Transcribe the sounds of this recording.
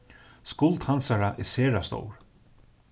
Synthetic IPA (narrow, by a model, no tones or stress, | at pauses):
skʊlt̪hansaɾaʔɛ̰sɛːɾast̪o̰wɹ